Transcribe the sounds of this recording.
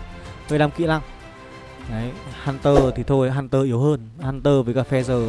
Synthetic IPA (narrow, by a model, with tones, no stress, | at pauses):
həː˧jɗaː˧mkḭ˧˥laː˧˩ŋ | aː˨˦jhaː˧˩nt̪əː˧˩t̪ʰi˨˩t̪ʰo˧jɦaː˧˩nt̪əː˧ʔi˨˦əwhəː˧nhaː˧nt̪əː˧vəː˨˦jkaː˧˩fɛ˧zəː˨˩